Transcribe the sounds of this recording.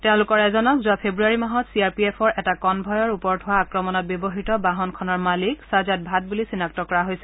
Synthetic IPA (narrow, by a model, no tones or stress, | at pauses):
tɛʊ̃lʊkɔɹɛzɔnɔkzuapʰebɹuaɹimaɦɔtsiaɹpiɛpʰɔɹʔɛtakɔnbʱɔjɔɹupɔɹtʰʊwaːkɹɔmɔnɔt̚bjɔbɔɦitɔbaɦɔnkʰɔnɔɹmaliksazat̚bʱat̚bulisinak̚tɔkɔɹaɦojsɛ̥